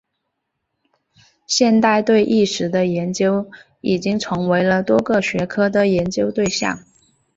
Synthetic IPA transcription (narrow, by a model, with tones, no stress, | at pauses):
ɕjɛ˥˧nt̪a˥˧ɪt̪we˥˧ɪʔi˥˩ʂɻ̩˧˥d̪ə˧jɛ˧˥nt͡ɕjo˥ʊ | i˨˩t͡ɕi˥ŋʈ͡ʂʰɤ˧˥ŋwe˧˥ɪlə˧t̪wɔ˥ɡɤ˥˧ɕɥɛ˧˥kʰɤ˥d̪ə˨˩jɛ˧˥nt͡ɕjo˥ʊt̪we˥˧ɪɕjɑ̰˥˩ŋ